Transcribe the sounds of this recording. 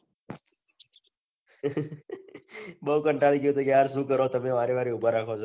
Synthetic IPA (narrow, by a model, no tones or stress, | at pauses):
bəɦukəɳʈaɭikjũt̪ukeaɾsũkəɾot̪əmeʋaɾeʋaɾiupəɾːakʰot͡ʃʰo